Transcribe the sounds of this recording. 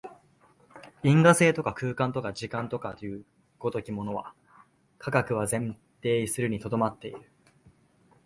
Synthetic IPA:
ĩŋɡase̞ːt̪o̞kakɯ̟ːkãnt̪o̞kaʑikãnt̪o̞kat̪ojɯ̟ | ɡ̥o̞t̪o̞kʲimo̞no̞βa̰ | kʰaɡakɯ̟βazẽ̞n | t̪e̞ːisɨɾɯ̟ɲ̟it̪o̞d̪o̞mat̪ːe̞iɾɯ̟

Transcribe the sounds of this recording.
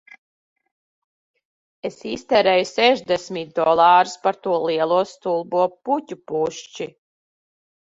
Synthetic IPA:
esist̪ɛɾɛjusɛʒd̪esmit̪̚d̪ɔlˠɑːɾispaɾt̪uɔliɛlˠuɔst̪ulˠbuɔputʲupuʃt͡ʃi

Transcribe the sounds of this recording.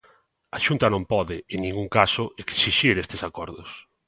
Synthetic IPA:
aʃunt̪ɐnõmpɔðɪeŋnĩŋɡuŋkasʊeksiʃiɾest̪ɪsakɔɾðʊs

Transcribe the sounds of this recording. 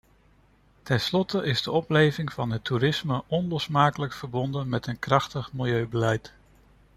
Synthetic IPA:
tɛnslɔtəʔɪzdəɔplejvɪŋvɑnɦətːuɾɪsməʔɔnlɔsmaːkələkfəɹbɔndənmɛtənkrɑχtəχmɪlˠjøɥbəlɛjt

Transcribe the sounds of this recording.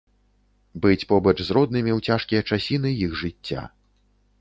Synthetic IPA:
bɨt͡sʲpɔbɐt͡ʂzrɔd̪nɨmʲiwt͡sʲaʂkʲijɐt͡ʂasʲinɨjixʐɨt͡sʲːa̰

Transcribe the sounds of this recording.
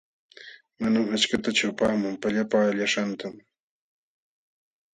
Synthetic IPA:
manamat͡ʃkat̪at͡ʃʊpaːmʊmpaʎapaːʎaʃant̪am

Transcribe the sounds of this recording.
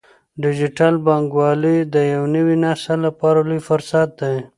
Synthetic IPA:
ɖɪd͡ʒɪʈalbɑŋɡwɑlid̪əjawnəwinɑst̪alapɑɾalujfʊɾsat̪̚d̪aj

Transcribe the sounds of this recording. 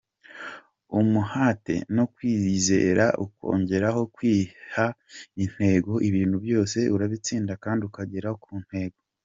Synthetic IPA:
umuhaːte̞̰no̞kwiːze̞̰ːɾaʔuko̞̰ːɲɟe̞ɾaɦo̞kwiːhain̥he̞ːɡo̞ʔiβiːnhubjo̞ːse̞ʔuɾaβit͡siːndakaːndiukaɟeɾahokʰuːn̥he̞ːɡo̞

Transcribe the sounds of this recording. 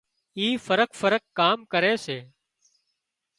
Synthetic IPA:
iːfəɾəkfəɾəkːaːmkəɾeːseː

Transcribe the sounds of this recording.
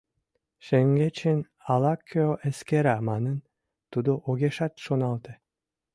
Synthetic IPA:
ʃeŋɡet͡ʃʰin | alˠakʲʰːoʔeskeɾamanɯn | t̪ud̪uʔoɡʲeʃat̪ʃonɑlˠd̪ɨ

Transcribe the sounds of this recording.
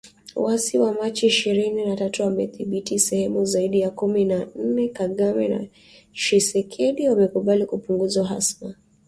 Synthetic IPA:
wasiwamat͡ʃɛiʃiɾininatatuamɛθiɓitisɛhɛmuzaiɗijakuminan̩nɛkaɠamɛna̰ | ʃisɛkʰɛɗiwamɛkuɓalikupuŋɡuzaɦa̰sma

